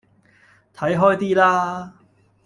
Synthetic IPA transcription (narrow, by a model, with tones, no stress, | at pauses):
t̪ʰɐ˨˥jɦɔː˥jt̪iː˥laː˥